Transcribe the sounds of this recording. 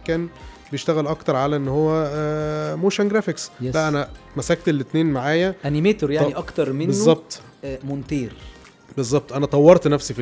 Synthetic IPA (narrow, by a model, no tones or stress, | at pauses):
kæːnbejeʃt̪æɣælʔɑkt̪ɑɾˤʕalæʔenːhowːæ | moːʃænɡɾæfeksjælæʔænæ | mæsæːk̚t̪elːet̪neːnmaʕaːjæʔænimeːt̪oɾjaʕniʔɑkt̪ɑɾˤmenbezˤːɑb̚t̪ˤ | mont̪iːɾ | bezˤːɑb̚t̪ˤʔænæt̪ˤɑwːɑɾˤt̪næfsif